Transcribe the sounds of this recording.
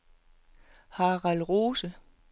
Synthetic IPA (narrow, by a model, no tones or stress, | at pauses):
hɑːʁɑlʁoːsə